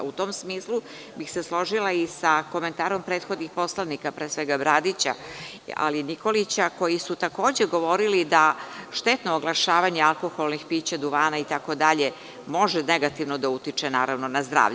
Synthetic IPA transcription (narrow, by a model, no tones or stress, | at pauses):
ut̪o̞msmiːslu | bixseslˠo̞ʒilaisako̞me̞nt̪aːɾo̞mpɾeːt̪xo̞d̪nixpo̞slˠanikapɾesʋeɡabɾad̪it͡ɕa̰ | a̰linikolit͡ɕako̞jisut̪ako̞ːd͡ʑeɡo̞ʋo̞ɾilid̪aʃt̪et̪noːɡlˠaʃaːʋaɲealˠko̞xolˠnixpiːt͡ɕad̪uʋaːnait̪ako̞d̪aʎe | mo̞ʒeneɡat̪iʋnod̪aut̪it͡ʂenaːɾaʋno̞nazd̪ɾa̰ːʋʎe